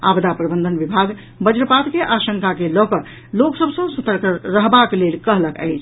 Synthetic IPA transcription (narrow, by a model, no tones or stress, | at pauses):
a̰bd̪ʱapɾəbənd̪ʱənbibʱaɡ | bəd͡ʒɾəpad̪keʔaʃəŋkakelɔkəɾ | loksəbsə̃sət̪əɾkɾəɦbaklelkəɦləkə̰ɪt͡ʃʰ